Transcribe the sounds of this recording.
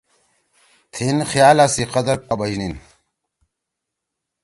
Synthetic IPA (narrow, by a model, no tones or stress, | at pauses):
t̪ʰinxjaːlasiqɐd̪ɐɾpɐbɐd͡ʑnin